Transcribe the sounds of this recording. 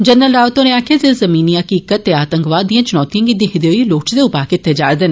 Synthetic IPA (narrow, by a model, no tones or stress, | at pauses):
d͡ʒənːəlɖaːʋət̪õːnẽaːkʰjazezəmiːniːəkiːkət̪ːeːaːt̪əŋkʋaːd̪d̪ĩjãːt͡ʃʊnɔːt̪ijãːɡid̪iɦɪd̪eoːiːloːʈd̪eːʊpaːkɪt̪ʰːed͡ʒa̰ːɾd̪eːn